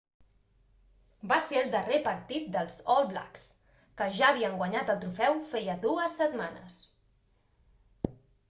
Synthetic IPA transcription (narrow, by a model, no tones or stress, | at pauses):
baseɾəlˠd̪ərepəɾt̪it̪̚d̪əlˠzɔlˠbla̰ks | kəʒaːβ̞iəŋɡwaɲat̪əlˠt̪ɾufɛwfɛjəðuəsːət̪manə̰s